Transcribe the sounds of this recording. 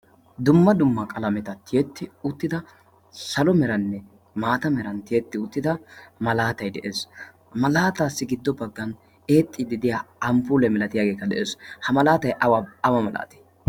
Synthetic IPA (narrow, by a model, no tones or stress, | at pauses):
d̪ʊmːɐd̪ʊmːɐkʼɐlɐmɛt̪ɐt̪ʰːɪjɛt̪ːɪʊt̪ːɪd̪ɐ | sɐlɔmɛɾɐnːɛ | maːt̪ɐmɛɾɐnt̪ɪjɛt̪ːɪʊt̪ːɪd̪ɐmɐlaːt̪ɐjd̪ɛʔeːs | mɐlaːt̪aːsːɪɡɪd̪ːɔbɐɡːɐn | e̞ːt̪ʼːɪd̪ɪd̪ɪjaɐmpuːlɛmɛlɐt̪ɪjaːɡe̞ːkːɐd̪ɛ̰ʔeːshɐmɐlaːt̪ɐjʔɐwaɐwɐmɐla̰ːt̪ɪ̥